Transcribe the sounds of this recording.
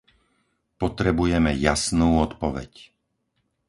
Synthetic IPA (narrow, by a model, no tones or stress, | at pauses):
pɔt̪ɾɛbujɛmɛjasnuːɔt̪pɔʋɛ̰c